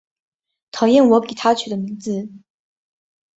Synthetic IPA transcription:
t̪ʰɑ˨˧˦jɛ˥˩nwɔ˧˥ki˨˩t̪ʰa˥t͡ɕʰy˨˩d̪ə˦mi˧˥ŋd͡zɹ̩˧

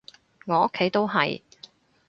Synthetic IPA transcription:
ŋɔː˨˧˥o˥kʰːe˨˥jt̪o˥wɦɐ̰˨j

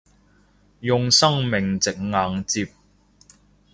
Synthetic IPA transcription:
jʊ˨ŋsɐ˥ŋmɪ˨ŋt͡sɪ˨k̚ŋaː˨˧ŋt͡siː˧p̚

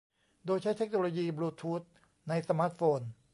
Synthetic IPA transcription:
doː˧jt͡ɕʰa˦˥jt̪ʰe˦˥k̚noː˧loː˧jiː˧bluː˧t̪ʰuː˦˥t̪̚ | na˧jsa˧maː˦˥t̪̚foː˧n

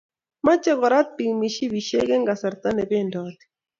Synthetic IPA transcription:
ma˦t͡ʃɛ˦kɔ˨ɾa˦t̪̚pi˨ŋmi˨ʃi˦wi˨ʃe˦ɡɛ˦ŋɡa˨sa˨ɾt̪a˦nɛ˨pɛ˦ndɔt̪i̥

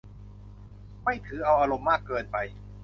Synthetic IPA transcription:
ma˥˩jt̪ʰɯː˩˦ʔa˧wʔaː˧ɾo˧mːaː˥˩kːɤː˧npa˧j

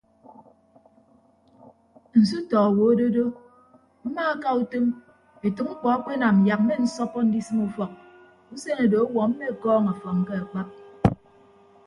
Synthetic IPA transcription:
n̩˨s̬u˦tɔ˨a˨wo˨o˦do˦do˦ | m̩˦maː˦ka˦u˦te˦m | e˨tu˨k̚ŋ͡m̩˦k͡pɔ˨a˦k͡pe˦na˨m̩˨ja˨k̚m̩˦me˦n̩˦sɔ˦pːɔ˦n̩˦di˦sɨ˦mu˦fɔ˨k̚ | u˦se˦na˨do˨o˦wɔ˨m̩˦me˦˨kɔː˦ŋa˨fɔ˨k̚ŋ̩˦ke˦a˨k͡pa˦p̚

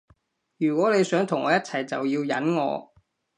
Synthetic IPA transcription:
jyː˨˩kwʷɔː˨˥ne˨˧jsœː˨˥ŋt̪ʰʊ˨˩ŋʔɔː˨˧jɐ˥t̚t͡sʰɐ˨˩jt͡sɐ˨wjiː˧wjɐ˨˥nŋɔ̰ː˨˧

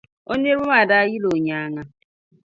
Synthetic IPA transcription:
o˦ne˦ɾʊ˦ma˨da˦ji˦lo˨ɲa˨a˦ŋa˦

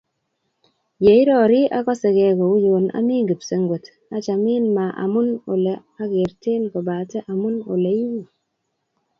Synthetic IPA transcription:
je˨i˦ɾɔ˨ɾɪ˦ʔa̰˦kɔ˦sɛ˨ɡɛ˨kɔ˨u˦jo˨na̰˦mɪ˦ŋɡi˨pse˨ŋɡwe˨t | a˦t͡ʃa˨mɪ˦nma˨ʔa̰˨mʊ˦no̰˨lɛ˨ | a˦ɡe˨ɾte˦nkɔ˨ba˨tɛ˦ʔa˨mʊ˦no̰˨le˨˦ji˦wi˨

